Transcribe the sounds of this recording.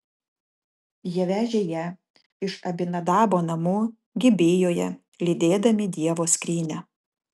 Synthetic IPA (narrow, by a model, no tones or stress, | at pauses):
jiɛʋʲæːʒʲeːjɛ | ɪʃɐbʲɪnɐd̪ɑːboːnɐmuː | ɡʲɪbʲeːjoːjɛ | lʲiːd̪ʲeːd̪ɐmʲɪd̪ʲiɛʋoːskɾʲiːnʲɛ